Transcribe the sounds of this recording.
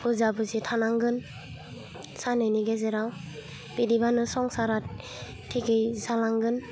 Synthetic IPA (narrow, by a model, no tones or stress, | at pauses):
uzabɯzitʰanaŋɡɯn | sanɯjniɡezeɾaw | b̥idibanɯsɔŋsaɾa | tʰːiɡɯjzalaŋɡɯn